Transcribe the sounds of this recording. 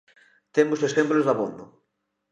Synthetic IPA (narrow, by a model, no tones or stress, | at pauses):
t̪emʊsoexemplozðaβond̪ʊ